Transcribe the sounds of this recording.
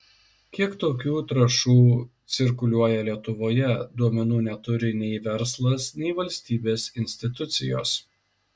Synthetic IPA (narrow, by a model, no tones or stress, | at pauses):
kʲiɛkt̪oːk̬ʲuːt̪ɾɐʃuːt̪sʲɪɾkʊlʲuɔjɛlʲiɛt̪ʊʋoːjɛd̪uɔmʲɛnuːnʲɛt̪ʊɾʲɪnʲɛɪʋʲɛɾslˠɐsnʲɛɪʋɐlʲsʲt̪ʲiːbʲeːsɪnʲsʲt̪ʲɪt̪ʊt̪sʲɪjo̰ːs